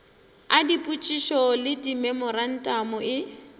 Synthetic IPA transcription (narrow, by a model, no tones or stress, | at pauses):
adipʼut͡ʃʼiʃɔlɪdimɛmɔran̩tʼamʊɪ